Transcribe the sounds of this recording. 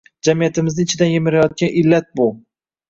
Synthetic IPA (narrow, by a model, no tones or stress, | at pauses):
d͡ʒamijat̪ʰɪmɪznɪɪt͡ʃʰɪd̪anjemɪɾajɒt̪̚kʲanʔɪlːat̪̚bʊ